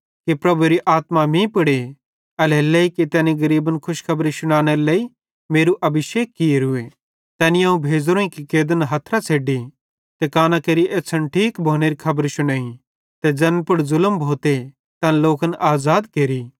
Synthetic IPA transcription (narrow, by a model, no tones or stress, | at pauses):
kipɾɐbuɾiʔaːt̪mamĩpɐɽe | ɐleleːikit̪ɛːniɡɐɾiːbənkʰʊʃkʰɐbɾisʊɽ̃ãːɽ̃eɾleːi | meːɾuʔɐbʱɪʃeːkːieɾʊe | t̪ɛːnĩɐũbʱeːd͡zɾõːĩkikeːd̪ənɦɐt̪ʰɾat͡sʰeːɖi | t̪ekaːnakeːɾiʔeːt͡sʰənʈʰiːkbʱoːñeːɾikʰɐbəɾʃʊɽ̃aːĩ | t̪ed͡zɐnpʊɽzʊləmbʱoːt̪e | t̪ɐ̃nloːkənʔaːzaːd̪keːɾiː